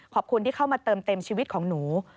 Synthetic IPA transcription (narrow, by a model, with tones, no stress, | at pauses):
kʰɔː˨˩p̚kʰu˧nt̪iː˥˩kʰa˥˩wmaː˧t̪ɤː˧mt̪e˧mt͡ɕʰiː˧wi˦˥t̪̚kʰɔː˩˦ŋnuː˩˦